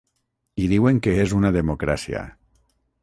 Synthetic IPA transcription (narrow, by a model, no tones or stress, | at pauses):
iðiweŋkeezunaðemokɾasia̰